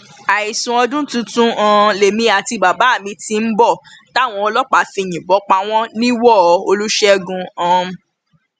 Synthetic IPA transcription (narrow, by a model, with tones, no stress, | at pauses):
a˨i˨sũ˨ɔ˧dũ˦tũ˦tũ˦ã˧le˨mĩ˧˦a˨ti˧ba˨ba˨˦˨mĩ˧ti˧m̩˦bɔ˦˨ta˦˨w̃ɔ̃˧ɔ˧lɔ˦k͡pa˨˦fĩ˧˨j̃ĩ˨bɔ˨˦k͡pa˧˦w̃ɔ̃˦nĩ˦wɔ˦˨˧o˧lu˦ʃɛ˦ɡũ˧ã˧